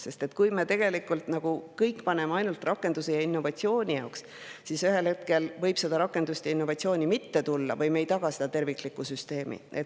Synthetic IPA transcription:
se̞st̪et̪kujmeːt̪e̞ɡ̥e̞likːˑult̪nɑɡ̥ukɤjkːˑpɑne̞mɑjnult̪rɑkːˑe̞nd̪usejɑinːo̞vɑt̪ʲsio̞ːnʲijɑoks | sisyɦe̞lhe̞t̪ke̞lvɤ̞jb̥se̞d̪̥ɑɾɑkːˑe̞nd̪̥ust̪ɑinːo̞vɑt̪sio̞ːnʲimit̪ːe̞t̪ulːɑ̰vɤjmejt̪ɑɡ̥ɑsed̪ɑt̪e̞rviklikːˑusyst̪e̞ːmḭʔet̪

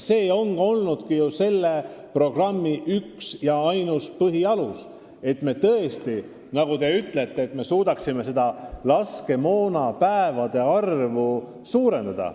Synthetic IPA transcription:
se̞ːo̞ŋɡ̥o̞lnud̪̥kijuse̞lːe̞pro̞ɡ̥rɑmːiʔyksjɑɑjnuspɤɦiɑlus | e̞t̪ːˑme̞t̪ɤest̪i | nɑɡ̥ut̪e̞yt̪le̞t̪ːe̞ːt̪ːˑme̞suːd̪ɑksime̞se̞d̪̥ɑlɑske̞mo̞ːnɑpæevɑd̪̥e̞ɑrvu | suːɾe̞nd̪̥ɑd̪̥ɑ̰

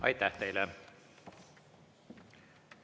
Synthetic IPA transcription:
ɑ̰jt̪ːæht̪ejlɛ

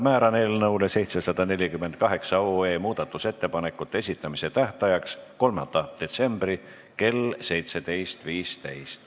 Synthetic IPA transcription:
mæːɾɑne̞ːlnɤwlese̞jt̪sesɑd̪̥ɑne̞lʲikymːend̪̚kɑɦe̞ksɑoe̞ːmuːd̪̥ɑt̪ːˑuse̞t̪ːe̞pɑne̞kːˑut̪ːˑee̞s̬ʲit̪ːˑɑmise̞t̪æht̪ɑjɑksko̞lmɑ̰nd̪̥ɑd̪̥e̞t̪se̞mb̥ri | ke̞lse̞jt̪se̞d̪e̞jst̪viːst̪ejst̪

